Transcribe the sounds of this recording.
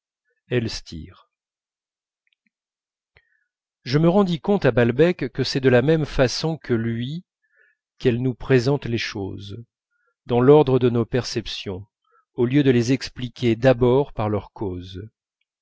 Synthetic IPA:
ɛlst̪ʰḭʁ | ʒəməʁɑ̃d̪ikɔ̃t̪abalbɛkːəsɛd̪əlamɛmfasɔ̃kʰəlɥi | kɛlnupχezɑ̃t̪leʃo̰z | d̪ɑ̃lɔʁd̪ʁəd̪ənopɛʁsɛpsjɔ̃ | oljød̪əlezɛksplikʲed̪abɔʁpaʁlœʁkʰoz

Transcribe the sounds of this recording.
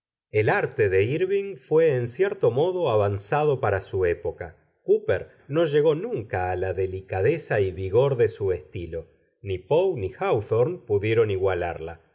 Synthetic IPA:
elaɾt̪eðeiɾβiŋfweːnsjɛɾt̪o̞mo̞ðo̞aβansaðo̞paɾasuepo̞ka | kupeɾ | no̞ʒe̞ɣo̞nũŋkaːlaðelikaðesaiβiɣo̞ɾðesuest̪ilo̞ | nipownixawθoɾnpuðje̞ɾo̞niɣwala̰ɾla̰

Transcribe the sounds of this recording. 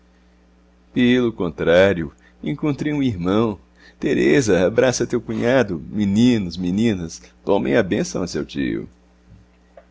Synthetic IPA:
pelʊkõnt̪ɾaɾjʊ | ẽkõnt̪ɾejũiɾmɐ̃w̃ | t̪eɾezɐabɾasɐt̪ewkũɲad̪ʊminĩnʊzminĩnɐst̪õmḛ̃j̃ɐbẽsɐ̃w̃ɐsewt͡ʃḭʊ̰

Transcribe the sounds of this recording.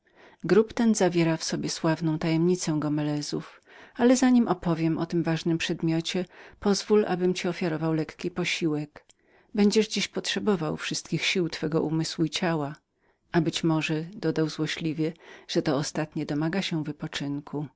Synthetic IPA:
ɡɾupt̪ɛnzavʲjɛɾafsɔbʲjɛswavnɔ̃w̃t̪ajɛmɲit̪sɛ̃ɡɔmɛlɛzuf | alɛzaɲimʔɔpɔvʲjɛmʔɔt̪ɘmvaʐnɘmpʂɛd̪mʲjɔt͡ɕɛpɔzvulʔa̰bɘmt͡ɕiɔfʲjaɾɔvawlɛkkʲipɔɕiwɛk | bɛɲd͡ʑɛʐd͡ʑiɕpɔtʂɛbɔvawfʂɘst̪kʲixɕiwt̪fɛɡɔʔumɘswuit͡ɕawa | ʔabɘt͡ɕmɔʐɛd̪ɔd̪awzwɔɕlʲivʲjɛʐ̥ɛt̪ɔːst̪at̪ɲɛd̪ɔmaɡaɕɛvɘpɔt͡ʂɘnkʰu

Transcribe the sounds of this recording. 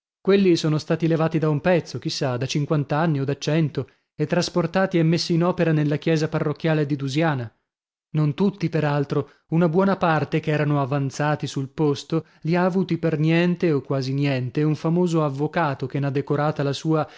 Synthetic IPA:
kwelːisoːnost̪aːt̪ilevaːt̪id̪aumpɛt̪sːok̟isːad̪at͡ʃiŋkwant̪anːiod̪at͡ʃːɛnt̪o | et̪ːɾasport̪aːt̪iɛmːesːiːnɔːpeɾanelːakjɛːzaparːokːjaːled̪id̪uzjaːna | nont̪ut̪ːipeɾalt̪ɾo | unabwɔːnapart̪ekeɛːɾanoavant̪saːt̪isulpost̪o | liaːvuːt̪ipernjɛnt̪eokːwaːzinjɛnt̪euɱfamoːzoavːokaːt̪okenad̪ːekoɾaːt̪alasuːa

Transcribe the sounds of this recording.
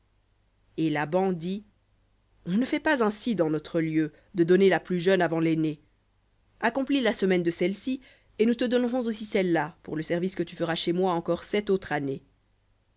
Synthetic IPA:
elabɑ̃d̪i | ɔ̃nəfɛpazɛ̃sid̪ɑ̃nɔt̪χəljø | d̪əd̪ɔnelaplyʒœnavɑ̃lene | akɔ̃plilasəmɛnd̪əsɛlsi | enut̪əd̪ɔnʁɔ̃zosisɛlːapuʁləsɛʁviskət̪yfəʁaʃemwaɑ̃kɔʁsɛt̪ot̪χane

